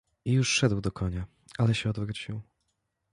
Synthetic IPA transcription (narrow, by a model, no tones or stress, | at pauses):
ijuʂʂɛd̪wd̪ɔkʰɔɲa | alɛɕɛɔd̪vɾut͡ɕiw